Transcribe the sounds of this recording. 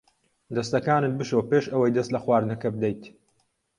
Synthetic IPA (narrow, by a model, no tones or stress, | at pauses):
d̪ɐst̪ɐkaːnɨt̪̚bɨʃowpeːʃɐwɐjd̪ɐst̪lɐxwaːɾnɐkɐbɨd̪ejt̪